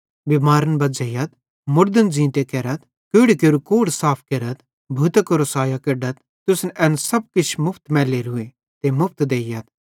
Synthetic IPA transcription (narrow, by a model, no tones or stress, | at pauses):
bimaːɾənbɐd͡ʒɐjɐt̪ | mʊɾd̪ənd͡zĩːt̪ekeɾɐt̪ | koɽkeɾukoːɽsaːpʰkeɾɐt̪ | bʱut̪ɐkoɾosaːjakɪɖɐt̪̚ | t̪ʊsnʔɛːnsɐb̚kɪt͡ʃʰmʊpʰt̪mɛːleɾʊe | t̪emʊpʰt̪d̪eːjɐt̪̚